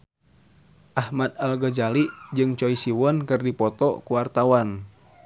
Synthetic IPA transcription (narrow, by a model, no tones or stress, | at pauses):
ʔahmad̪̚alɡəd͡ʒalid͡ʒɨŋt͡ʃɔisiwɔnkɨrdipɔt̪ɔ̰kuwart̪awan